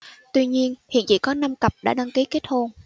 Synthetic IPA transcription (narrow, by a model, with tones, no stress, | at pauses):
t̪wi˧ɲi˧ənhḭ˧˨t͡ɕḭ˧˨kɔ˨˦na˧mkə˨˩p̚ɗa̰ː˧˥ɗa˧ŋki˨˦ke˦˥t̚ho˧n